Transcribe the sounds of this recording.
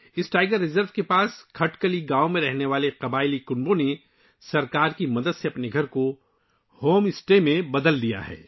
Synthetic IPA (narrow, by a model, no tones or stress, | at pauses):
ɪsʈaːɪɡəɾːɪzəɾʋkepaːskʰɐʈkəliɡaːomẽɾɛɦneʋaːleqɐbaːɪlikʊnbõne | sɐɾkaːɾkimɐd̪əd̪seɐpneɡʱɐɾko | hoːmɪsʈemẽbɐd̪əld̪ija̰ɦɛ̰ː